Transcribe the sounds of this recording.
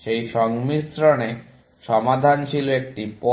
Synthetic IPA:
ʃejʃɔŋmisɾone | ʃɔmad̪ʱant͡ɕʰiloek̚ʈipɔ

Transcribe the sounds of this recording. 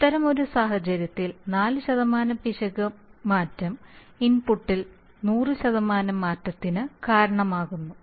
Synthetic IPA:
it̪ːɐɾɐmo̞ɾusaːɦɐt͡ɕɐɾjɐt̪ːilnaːlɨɕɐðɐmaːnɐmpiʂɐɣɐmaːtːɐm | inpuʈːil | nuːrɨɕɐðɐmaːnɐmːaːtːɐt̪ːinɨkaːɾɐɳɐmaːɣunːu

